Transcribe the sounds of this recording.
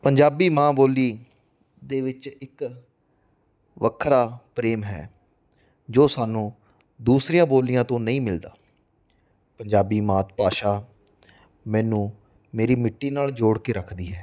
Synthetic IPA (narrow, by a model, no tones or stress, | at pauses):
pəɲd͡ʒaːbiːmãːboːliː | d̪eːʋɪt͡ʃɪk | ʋəkʰɾaːpɾeːmɦɛ̰ː | d͡ʒoːsaːnũː | d̪uːsɾijãːboːlijãːt̪õːnəĩːmɪld̪a̰ː | pəɲd͡ʒaːbiːmãːt̪̚paːʃaː | mɛ̃ːnũː | meːɾiːmɪʈːiːnaːld͡ʒoːɽkeːɾəkʰd̪iːɦɛː